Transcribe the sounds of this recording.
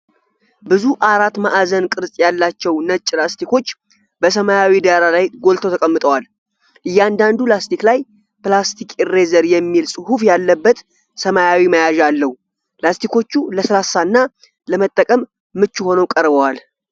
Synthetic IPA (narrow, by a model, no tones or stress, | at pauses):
bɨzuʔaɾat̪maʔazənkʼɨɾsʼjalːat͡ʃːɛwnət͡ʃʼːlast̪ʰiko̞t͡ʃː | bəs̬əmajawid̪aɾalajɡo̞lt̪ʰot̪ʰəkʼəmːɨt̪ʼəwal | ʔɨjːɛand̪and̪ulast̪ʰiklaj | plast̪ʰikʰʼre̞zəɾjɛmːilsʼɨhufjalːəbːət̪ | səmajawiməjaʒalːəhu | plast̪ʰiko̞t͡ʃːuləsəlasːaɨnːa | ləmət̪ʼːəkʼəmː | ɨt͡ʃːuho̞nowkʼəɾbəwal